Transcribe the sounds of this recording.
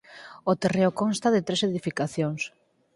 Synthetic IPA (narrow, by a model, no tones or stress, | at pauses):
ot̪ereʊkonst̪aðɪt̪ɾeseðifikaθjoŋs